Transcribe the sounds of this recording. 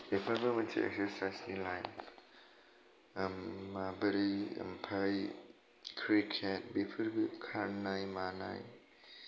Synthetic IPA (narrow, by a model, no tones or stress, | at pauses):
bepʰɯɾbimɐnsʰḭɛ̰k̚seɾsajsnilajp | mabəɾiə̰mpʰaj | kʰɾikʰet̚bepʰɯɾbikʰaɾnajmana̰j